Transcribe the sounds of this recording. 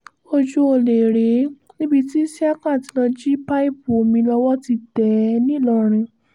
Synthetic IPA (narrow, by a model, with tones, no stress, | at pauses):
o˧d͡ʒu˧o˧˨le˨ɾe˨˦nĩ˦bi˧ti˦si˦a˦kã˦˨ti˧˦lɔ˧d͡ʒi˦pa˦i˦˨bo˨mĩ˧lɔ˧wɔ˦ti˧tɛ˨nĩ˦lɔ˧ɾ̃ĩ˧